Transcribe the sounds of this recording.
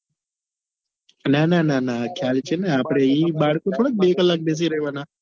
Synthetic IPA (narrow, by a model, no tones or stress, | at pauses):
naːnaːnaːnakʰjaːlt͡ʃʰeneaːpɽ̃eiːbaːɽkõt̪ʰoːɽaːk̚beːkəlːaːk̚beːs̬iɾəɦiʋaːnaː